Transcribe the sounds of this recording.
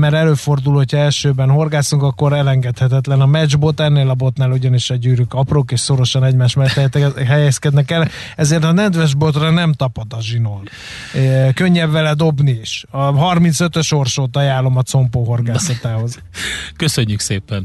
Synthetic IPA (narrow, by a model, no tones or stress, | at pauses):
mɛɾɛløːfo̞rd̪ulho̞cʰɒɛlʃøːbɛnho̞rɡaːsuŋkɒkːo̞ɾɛlɛŋɡɛt̪hɛt̪ɛt̪lɛnɒmɛd͡ʒbo̞t̪ɛnːeːlɒbo̞t̪naːluɟɒniʃɒɟyːɾykɒproːkeːʃsoɾo̞ʃɒnɛɟmaːʃmɛɛt̪ɦɛjɛskɛd̪nɛkɛl | ɛzeːrt̪ɒnɛnd̪vɛʒbo̞t̪rɒnɛmt̪ɒpod̪ɒʒinoːn | køɲːɛbːɛlɛd̪o̞bniiʃɒɦɒrmint̪sø̞t̪øʃo̞rʃoːt̪ɒjaːlːo̞mɒt̪so̞mpoːɦo̞rɡaːsɒt̪aːɦo̞z | køsøɲːykseːpɛn